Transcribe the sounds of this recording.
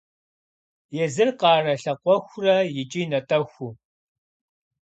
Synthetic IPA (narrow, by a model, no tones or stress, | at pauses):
jɛzɨrqɑːrɐɬɐqʷɔxʷrɐjɪt͡ʃʼiːnɐtʼɐxʷʊ